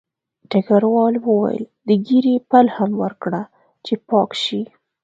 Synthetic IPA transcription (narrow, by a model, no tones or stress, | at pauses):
ʈakaɾwɑlwəwa̰jə̰ld̪əɡiɾipalhamwəɾkɽa | t͡ʃepɑkʃi